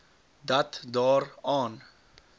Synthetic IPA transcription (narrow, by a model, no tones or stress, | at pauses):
d̪at̪d̪ɑːɾɑːn